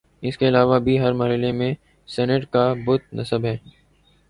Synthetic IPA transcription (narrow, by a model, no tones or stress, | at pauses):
ɪskeɪlaːʋabʱiɦɐɾmaɾɦɪlemẽ | sɛːnəʈkabʊt̪̚nɐsəbɦɛː